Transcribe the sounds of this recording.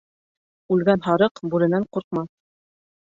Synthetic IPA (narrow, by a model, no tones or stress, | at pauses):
ʉlɡænɦɑɾɤqbuɾɘ̆næɴquɾq̚mɑ